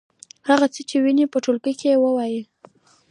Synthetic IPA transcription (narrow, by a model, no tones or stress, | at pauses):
haɣat͡sət͡ʃewinipəʈolɡəjkeewəwaji